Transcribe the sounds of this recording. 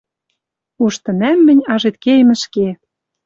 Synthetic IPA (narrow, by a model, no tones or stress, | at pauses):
uʃt̪ɤ̆næmːɘ̆nʲɑʒet̪̚kejmɘ̆ʃke